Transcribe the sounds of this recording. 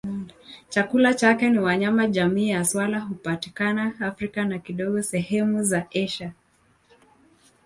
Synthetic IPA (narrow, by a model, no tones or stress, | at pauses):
t͡ʃakulat͡ʃakɛniwaɲamaʄamiːjaswalaɦupati̥kanaːfɾikanakiɗɔɠɔsɛhɛmuzaɛʃa